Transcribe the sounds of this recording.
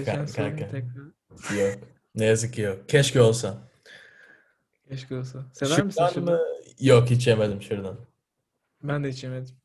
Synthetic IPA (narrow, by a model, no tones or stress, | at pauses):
kakʰaɛt̪ʰɛkɾa | jok | nejazɯkːijokcʰɛʃciolˠsa | cʰɛʃciolˠsasevæɾmisd̪ænmɯjokɦit͡ʃʰemed̪imʃuɾd̪an | bænd̪ɛit͡ʃemed̪ɪm